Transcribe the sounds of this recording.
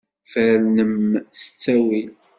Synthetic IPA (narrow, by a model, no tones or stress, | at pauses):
fæɾnəmsə̥t͡sːæwi